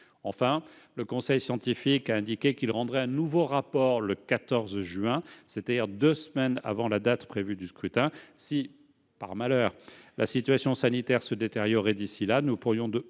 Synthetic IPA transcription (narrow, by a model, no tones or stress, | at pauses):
ɑ̃fɛ̃ | ləkɔ̃sɛjsjɑ̃t̪ifikaɛ̃d̪ikʲekilʁɑ̃d̪ʁɛɛ̃nuvoʁapɔʁləkat̪ɔʁzʒɥɛ̃set̪ad̪iʁd̪øsmɛna̰vɑ̃lad̪at̪pχevyd̪yskχyt̪ɛ̃si | pa̰ʁmalœːʁla̰sit̪ɥasjɔ̃sanit̪ɛʁsəd̪et̪eʁjɔʁɛd̪isilanupuʁjɔ̃d̪ə